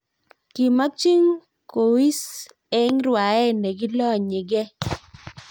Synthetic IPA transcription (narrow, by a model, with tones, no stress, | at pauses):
ki˨ma˦t͡ʃi˦ŋ | ko˨wi˦s | ɛ˦ŋɾwa˨ɛ˦˨nɛ˨ɡɪ˦lɔ˦˨ɲɪ˨ɡɛ˦